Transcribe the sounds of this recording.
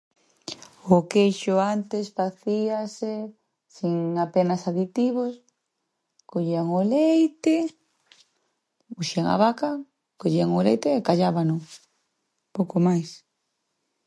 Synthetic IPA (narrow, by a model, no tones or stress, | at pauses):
ʊkejʃʊant̪ɪsfaθiase | siŋapenasaðit̪iβos | koʎiaŋolejt̪ɪ | puʃiaŋa̰βaka | koʎiaŋolejt̪eːkaʎaβanʊ | powkomajs